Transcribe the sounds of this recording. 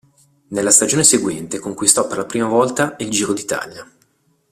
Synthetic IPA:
nelːast̪ad͡ʒoːneseɡwɛnt̪ekoŋkwist̪ɔpːerlapɾiːmavɔlt̪aild͡ʒiːɾod̪it̪a̰ːlja

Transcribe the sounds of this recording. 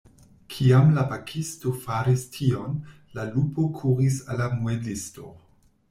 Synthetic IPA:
kʰiamlapakʰisto̞faɾistʰion | lalupokʰuɾisalamuedisto

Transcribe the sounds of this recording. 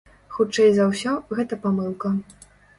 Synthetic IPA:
xut͡ʂɛjzɐwsʲɔɣɛt̪ɐpamɨlˠkɐ

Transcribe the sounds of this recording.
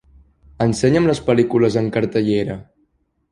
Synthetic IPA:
ənsɛɲəmləspəlikuləzəŋkəɾt̪əʎeɾə

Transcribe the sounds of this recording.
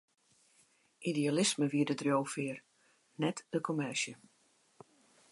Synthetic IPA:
ʔidialɪsməʋiədədrjowfɪər | nɛtd̥əkʰomɛʃjə

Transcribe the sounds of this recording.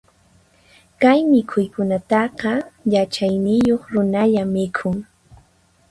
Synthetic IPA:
kajmɪkʰʊjkʊnat̪ɑqɑjat͡ʃajnɪjoχɾʊnaʎamːɪkʰʊŋ

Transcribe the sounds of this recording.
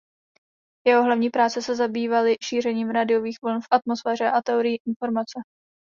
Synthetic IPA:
jɛɦo̞ɦlavɲiːpɾaːt͡sɛsɛzabiːvalɪʃiːr̝ɛɲiːmɾadɪjo̞viːxvl̩nfʔat̪mosfɛːr̝ɛʔat̪ɛoɾɪjiʔɪnfo̞ɾmat͡sɛ

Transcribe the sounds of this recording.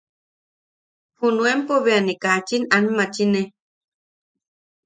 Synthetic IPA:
hunuempoβeanekat͡ʃinanmat͡ʃine

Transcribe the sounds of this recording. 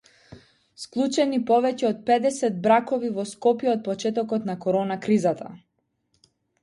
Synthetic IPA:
sklˠut͡ʃɛnipɔvɛcɛɔt̪̚pɛd̪ɛsɛd̪̚bɾakɔvivɔskɔpjɛɔt̪̚pɔt͡ʃɛt̪ɔkɔt̪nakɔɾɔnakɾizat̪ʰa̰

